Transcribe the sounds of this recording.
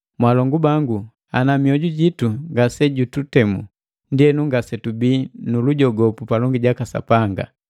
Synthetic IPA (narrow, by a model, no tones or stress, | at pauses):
mwalɔŋɡubaŋɡu | anamiɔɟuɟituŋɡasɛɟututɛmṵ | ndiɛnuŋɡasɛtubiːnuluɟɔɡɔpupalɔŋɡiɟakasa̰paŋɡa̰